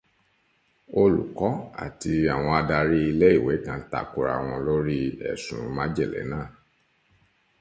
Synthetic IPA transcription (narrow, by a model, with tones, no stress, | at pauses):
o˧lṵ˨kɔ˨˦a̰˨ti˧a˨w̃ɔ̃˧a˧da˧ɾi˦i˧lɛ˦i˦˨we˨˦kã˨˦ta̰˧ku˧˦ɾa̰˧˨w̃ɔ̃˧lo˦ɾi˦ɛ̰˨sũ˨˦mã˦d͡ʒɛ˦˨lɛ̰˨˦nãː˦˨